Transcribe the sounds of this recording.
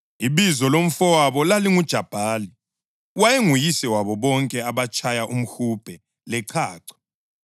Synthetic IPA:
iβizɔlom̩fɔwaβɔlaliŋud̥ʒ̥ʱab̥ʱaːli | wajeŋujisɛwaβɔβɔŋkʼɛaβat͡ʃʼʰajaʔum̩xub̥ʱɛ | lɛǀʰaːǀʰɔ̥

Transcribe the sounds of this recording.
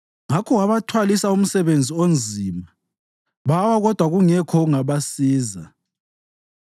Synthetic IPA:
ŋakʰɔɣaβatʰwalisaum̩sɛβend͡zʱiond͡zʱima | βawaɣɔd̥ʱwaɣuŋɛkʰɔɣuŋaβasiːza̰

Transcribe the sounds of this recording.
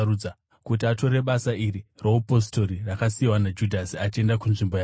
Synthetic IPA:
ud͡za | kutiato̞re̞ɓasaʔiriroupo̞s̬to̞ɾirakasiwanad͡ʒudʱasiat͡ʃie̞ndakunʐimboja

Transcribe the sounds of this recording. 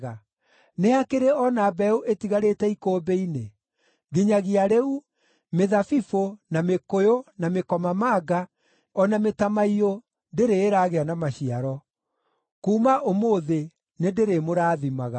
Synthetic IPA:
ɣa | neakeɾeɔnaːbɛuʔetiɣaɾetɛikoːbeine | ɡeɲaɣiaɾeu | meðafifonamekojonamekɔmamaːɡa | ɔnametamaio | deɾeːɾaɣeanamaɕiaɾɔ | kuːmaʔomoðe | nendeɾemoɾaːðimaɣa

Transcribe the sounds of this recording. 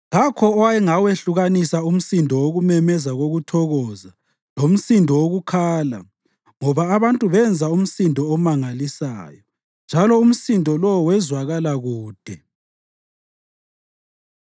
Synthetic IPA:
lakʰɔɔwajɛŋaweɬuɣanisaum̩sindʱɔwoɣumɛmɛzaɣoɣutʰɔɣɔza | lom̩sindʱɔwoɣukʰaːla̰ | ŋɔβaːβantʼuβɛnd͡zʱaum̩sindʱɔːmaŋalisa̰ːjɔ | nd͡ʒʱalɔum̩sindʱɔlɔwɔwɛzwaɣalaɣuːd̥ʱɛ

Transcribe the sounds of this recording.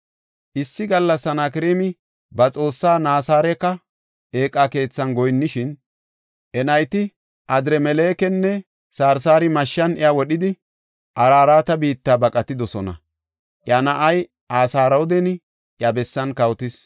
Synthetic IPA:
ʔɪsːɪɡɐlːɐsːɐnakɪɾeːmɪ | bɐt͡sʼo̞ːsːaːnaːsaːɾɛkːɐ | e̞ːkʼːake̞ːt͡sːɐnɡɔjnːɪʃɪn | ʔɛnɐjt̪ɪ | ʔɐd̪ɾɛmɛleːkɛnːɛ | saːɾsaːɾɪmɐʃːɐnɪjawɔɗɪd̪ɪ | ʔɐɾaːɾaːt̪ɐbiːt̪ːaːbɐkʼɐt̪ːɪd̪ɔsɔnɐ̰ | ʔjanɐʔɐj | ʔaːsaːɾɐwɔd̪ɛnɪ | ʔjabɛsːɐnkɐwt̪ɪs

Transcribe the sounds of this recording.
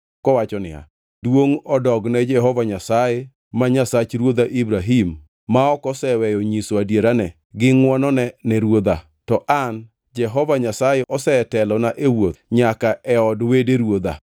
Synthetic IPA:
kɔwat͡ʃɔnɪ̰a̰ | dwoŋɔdɔɡnɛd͡ʒɛɦɔvaɲasaje | maɲasat͡ʃɾwod̪aʔibɾaɦimː | aɔkɔsɛwɛjɔɲisoadjeɾanɛ | ɡɪŋwɔnɔnɛnɛɾwod̪a | tɔʔan | d͡ʒɛɦɔvaɲasajeʔɔsɛtɛlɔnaʔewot̪ɲakaɛɔdwedeɾwod̪a̰

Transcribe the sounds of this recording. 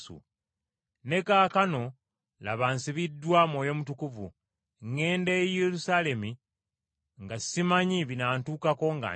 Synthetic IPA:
ṵ | ne̞kaːkano̞ | laβansiβidːwamoːjo̞mutukuvu | ŋːe̞ːndejelusaːle̞mi | ŋɡḁsimaɲiβinaːntuːkako̞ŋɡa̰

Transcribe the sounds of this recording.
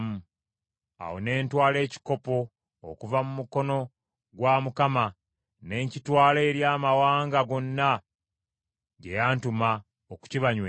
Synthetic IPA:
mu | a̰wo̰ne̞ːntwaːle̞ːci̥ko̞po̞̰ː | kuvamumuko̞no̞ | ɡwamukama | ne̞ːɲcitwaːle̞ːɾjaːmawaːŋɡaɡo̞nːa | ɟe̞jaːntuma | oku̥ciβaɲwe

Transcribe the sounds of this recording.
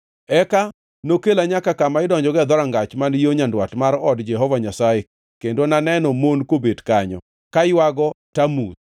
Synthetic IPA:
ɛka | nokelaɲakakamaɪdɔɲd͡ʒɔɡɛd̪ɔɾaŋɡat͡ʃmanjoɲandwatmaɾɔdd͡ʒɛɦɔvaɲasaje | kendonanɛnɔmonkobedkaɲɔ̰ | kajwaɡɔtamut̪̚

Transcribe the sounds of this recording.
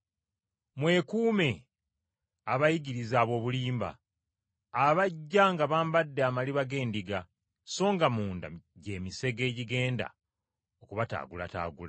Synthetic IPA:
mwe̞ːkuːme̞ | aβajiɡiɾizaːβo̞ːβuliːmba̰ː | βaɟːaŋɡaβaːmbadːeamaliβaɡe̞ːndiɡa | so̞ːŋɡamuːnda̰ɟe̞ːmise̞ɡe̞ːɟiɡe̞ːnda̰ | okuβata̰ːɡula̰ta̰ːɡula

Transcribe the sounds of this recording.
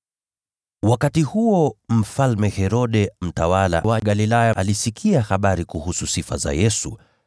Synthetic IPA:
wakatihuɔm̩falmɛhɛɾɔɗɛm̩tawala̰waɠalilajaalisikʰiahaɓaɾikuhususifa̰za̰jɛsu

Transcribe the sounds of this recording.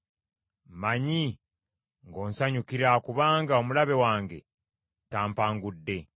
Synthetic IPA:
maɲi | ŋɡo̞ːnsaɲukiɾakuβaːŋɡao̞mulaβe̞waːŋɡe̞̰ | taːmpaːŋɡudːe̞

